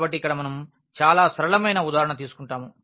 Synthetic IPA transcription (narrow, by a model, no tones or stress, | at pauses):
bɐʈ̬ːiːkːɐɽɐmɐnɐm | t͡ʃaːlaːsɾɐɭɐmɐjnɐud̪aːɾɐɳɐt̪iːsu̥kuɳʈaːmu